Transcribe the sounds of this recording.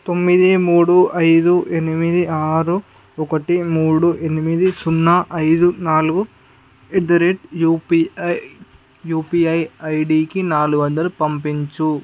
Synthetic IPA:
t̪o̞mːid̪imuːɽuʔɐjd̪uʔenimid̪iaːɾu | ɔkɐʈimuːɽuʔenimid̪isunːaʔɐjd̪unaːluɡu | ed̪ɐɾeʈupi | juːpiɐjɐjɖiːkinaːluɡuʋɐnd̪ɐɾupɐmpiɲt͡ʃu

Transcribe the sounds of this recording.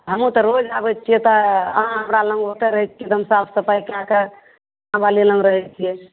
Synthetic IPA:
ɦəmũt̪ɔɾod͡ʒabɛt̪t͡ʃʰijɛt̪ɔəɦãɦəmɾalə̃ŋɡɦot̪ɛɾəɦɛt͡ʃʰkit̪əmsapʰsəpaikãkə | ãbalilə̃ŋɡɾəɦɛt͡ʃʰijɛ

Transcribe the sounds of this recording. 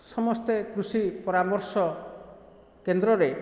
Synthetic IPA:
sɔmɔst̪ekɾusipɔɾamɔɾsɔ | kend̪ɾɔɾe

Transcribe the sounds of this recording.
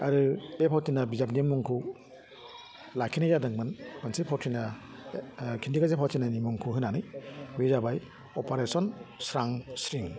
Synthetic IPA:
a̰ɾɯbepʰawtʰinabizap̬niimuŋkʰu | lakʰinajzadɯŋmɯnmansipʰawtʰina | kʰindikazepʰawtʰinanimuŋkʰuɦɯnanɯjbezabaj | ɔpaɾesɔnsɾaŋsɾiŋ

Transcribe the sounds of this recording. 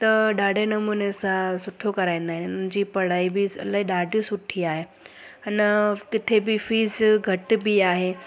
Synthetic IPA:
t̪ɐɗaːɖʱenɐmuːnesãsʊʈʰokɐɾaːĩnd̪aːɦɪnʊnɪ̃ɲd͡ʑiːpɐɽaːibisɐ̰laiɗaɖisʊʈʰiaːɦe | ɐnkɪt̪ʰebifiːzɡʱɐʈbiaːɦe

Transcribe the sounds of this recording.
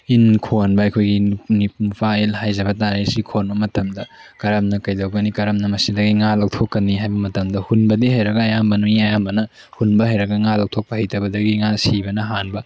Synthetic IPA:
inkʰonbɐɐjkʰojɡinipnupʰaelɦajzɐbɐtaɾesikʰonbɐmɐtɐmdɐ | kɐɾɐmnɐkɐjdɐwɡɐnikɐɾɐmnɐmɐsidɐɡiŋalɐwtʰokːɐniɦajbɐmɐtɐmdɐhunbɐdiɦɐjɾɐɡɐːjambɐnuiɐjambɐnɐ | hunbɐɦɐjɾɐɡɐŋalɐw̚tʰok̚pɐhɐjtʰɐbɐdɐɡiŋasibɐnɐɦanbɐ

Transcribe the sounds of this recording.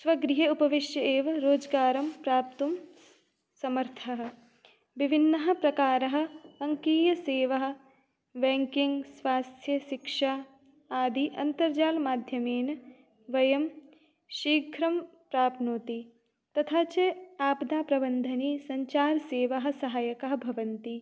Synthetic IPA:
sʋɐɡɾɪɦeupɐʋiʃjɐeːʋɐɾoːd͡ʒɡaːɾɐmpɾaːp̚t̪um | sɐmɐɾt̪ʰɐɦɐ̆ | ʋibʱinːɐɦɐ̆pɾɐkaːɾɐɦɐ̆ɐŋkiːjɐseːʋɐɦɐ̆ | ʋeːŋkiŋɡsʋaːst̪ʰjɐʃikʂaː | aːd̪ʱiʔɐnt̪ɐɾd͡ʒaːlmaːd̪ʱjɐmeːn | ʋɐjɐm | ʃiːɡʱɾɐm | pɾaːpnoːt̪i | t̪ɐt̪ʰaːt͡ʃeaːpd̪aːpɾɐbɐnd̪ʱɐniːsɐɲt͡ʃaːɾseːʋɐɦɐ̆sɐɦaːjɐkɐɦɐ̆bʱɐʋɐnt̪i

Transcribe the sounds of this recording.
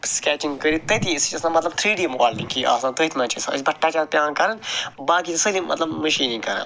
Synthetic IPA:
skʲɛːt͡ʃiŋɡkəɾit̪ɐt̪ʰisit͡ʃɐsãmɐt̪lɐb̚t̪ʰɾiːɖiɐmkaːlnikiʔa̰ːsãːnt̪ət̪ʰmɐ̃ːt͡ʃʰisa̰ɨsʲbɐʈːaːt͡ʃaːt̪pʲjaːnkɐɾɐnbaːkit̪isəlimʔɐ̰t̪lɐbmɐʃiːnĩŋkɐɾɐ̰n

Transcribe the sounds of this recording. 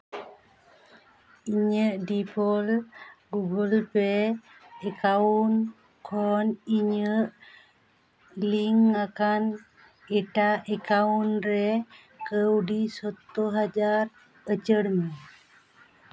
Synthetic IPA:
iɲəʔdipɔlɡuɡəlpɛ | ɛkaun | kʰɔniɲəʔ | liŋakan | ɛʈaʔɛkaunɾɛ | kəwɖisɔt̪ɔɦad͡ʒaɾ | ət͡ʃəɽmi

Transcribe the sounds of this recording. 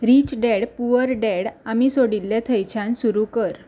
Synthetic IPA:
ɾit͡ɕɖeɽpuəɾɖeɽamisoɽilːet̪ʰəjt͡ɕʰãnsuɾukəɾ

